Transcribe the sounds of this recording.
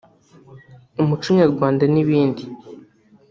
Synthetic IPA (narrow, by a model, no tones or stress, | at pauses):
umut͡ʃuɲaɾɡwaːndaniβiːndi